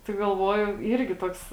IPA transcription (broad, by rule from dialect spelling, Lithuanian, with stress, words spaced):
tɐɪ ɡɐlˠˈʋuɔjʊ ˈiːrʲɡʲɪ ˈtoːks